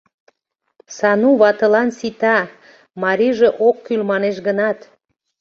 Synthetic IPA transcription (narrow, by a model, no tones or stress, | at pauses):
sɑnuβɑt̪ə̆lɑnsit̪ɑ | mɑɾiʒeʔokːylmɑneʃɡənɑt̪